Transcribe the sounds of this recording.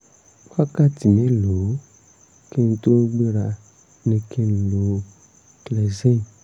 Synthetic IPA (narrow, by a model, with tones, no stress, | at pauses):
wa˦ka˦˨ti˨mĩ˨˦lo˨˦ | ki˦n̩˧to˦ɡ͡be˦ɾa˧ | nĩ˧ki˦n̩˨lo˨˦ | klɛ˨ze˦n˨